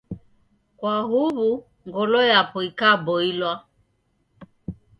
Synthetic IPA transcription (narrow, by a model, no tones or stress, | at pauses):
kwaɦuβu | ŋɡɔlɔjapɔikabɔilwa